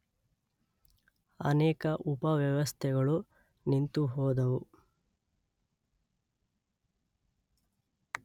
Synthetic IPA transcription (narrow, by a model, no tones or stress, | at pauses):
ɐ̰nɛːkɐʔupɐʋjɐʋɐst̪ʰɛɡɐɭu | nint̪uɦoːd̪ɐʋu